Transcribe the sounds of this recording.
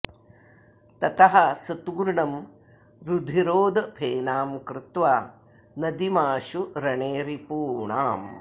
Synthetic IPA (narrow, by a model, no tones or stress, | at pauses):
t̪ɐt̪ɐɦɐsɐt̪uːɾɳɐm | ɾud̪ʱiɾoːd̪ɐpʰeːnaːmkɾɪt̪ʋaː | nɐd̪imaːʃuɾɐɳeːɾipuːɳa̰ːm